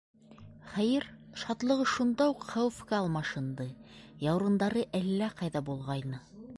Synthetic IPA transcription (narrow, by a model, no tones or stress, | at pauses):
χæjɘɾʃɑt̪lˠɤ̆ʁɤʃund̪ɑuqχæwfkæːlˠmɑʃɤ̆nd̪ɤjɑwɾɤ̆nd̪ɑɾɤʔælːæqɑjðɑbulˠʁɑjnɤ